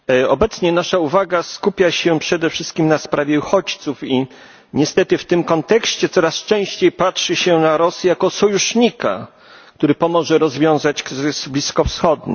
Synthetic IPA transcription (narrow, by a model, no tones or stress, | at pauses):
ɔbɛt̪sɲɛnaʂauvaɡaskupʲjaɕɛpʂɛd̪ɛfʂɘst̪̚kʲimnaspɾʔavʲjɛuxɔt͡ɕt̪sufi | ɲɛst̪ɛt̪ɘft̪ɘmkɔnt̪ɛkɕt͡ɕɛt̪sɔɾast͡ʂɛ̃w̃ɕt͡ɕejpatʂɘɕɛnaɾɔsijakɔsɔjuʂɲika̰ | k̚t̪uɾɘpɔmɔʐɛɾɔzvʲjɔ̃w̃zat͡ɕkɾzɘsblʲiskɔfsxɔd̪̚ɲɘ̰